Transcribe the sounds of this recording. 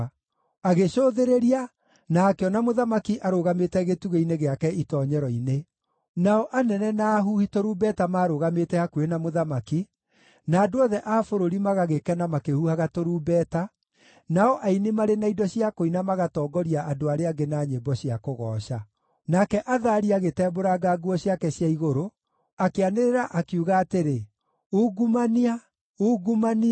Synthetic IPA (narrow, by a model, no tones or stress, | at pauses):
aɣeɕoðeɾeɾia | naːkeɔnamoðamakiʔaɾoɣametɛɣetuɣeineɣeakɛitɔɲɛɾɔine | naɔʔanɛnɛnaːɦuhitoɾubɛtamaːɾoɣametɛakuwenamoðamaki | naːdoɔðɛʔaːfoɾoɾimaɣaɣekɛnamakehuhaɣatoɾuːbɛːta | naɔʔainimaɾenaidɔɕiakoinamaɣatɔːɡɔɾiaʔadoaɾeaɡenaːɲebɔɕiakoɣɔːɕa | nakɛʔaðaːɾiaɣetɛboɾaɡaɡuɔɕjakɛɕjaiɣoɾo | akeaneɾeɾaʔakiuɣaːteɾe | uɡumania | uːɡumani